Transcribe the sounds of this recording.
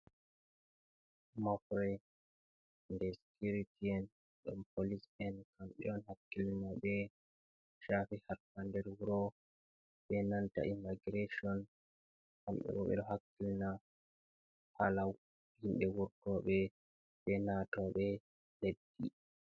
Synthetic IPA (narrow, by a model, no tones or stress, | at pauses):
mafɾɛ | ndɛskuɾitiɛn | ɗɔmpolisɛnkamɓɛ̰ɗɔnhakːilnaɓɛ | ʃafihaɾpandɛɾwuɾɔ | ɓɛnanta̰ʔimːaɡiɾeʃiɔn | kamɓɛ̰ɗɔ̰ɓɛ̰ɗɔɦakːilna | halaw | hinɗɛwuɾtɔɓɛ | ɓɛnatɔɓɛ | ledːḭ